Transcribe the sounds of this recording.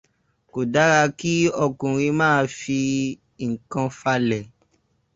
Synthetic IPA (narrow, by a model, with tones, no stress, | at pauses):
ko˨da˨˦ɾa˧ki˦ɔ˧kũ˨ɾ̃ĩ˧mãː˦˧˦fi˧˨ | ŋ̩˨kã˧fa˧lɛ˨